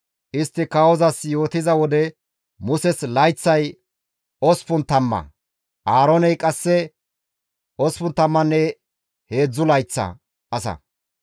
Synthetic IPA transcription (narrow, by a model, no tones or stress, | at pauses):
ʔɪst̪ːɪkɐwɔzɐsjo̞ːt̪ɪzɐwɔd̪ɛ | mʊsɛslɐjt͡sːɐj | ɔspʊnt̪ɐmːɐ̰ | ʔaːɾonɛjkʼɐsːɛ | ʔɔspʊnt̪ɐmːɐnːɛ | he̞ːd͡zːʊlɐjt͡sːɐ̰ | ʔɐsɐ̰